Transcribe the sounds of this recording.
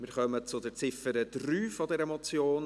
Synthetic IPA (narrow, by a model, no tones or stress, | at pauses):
mɪːɾχœmət͡sʊdɛɾt͡sɪfəɾəd̥ryːfɔdɛɾəmɔt͡sjoːn